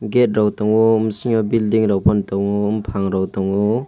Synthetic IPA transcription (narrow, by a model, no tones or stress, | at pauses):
ɡet̚ɾawtɔŋɔumsiŋɔbildiŋɾawpʰɔntɔwŋɔːmpʰaŋɾawtɔwŋɔ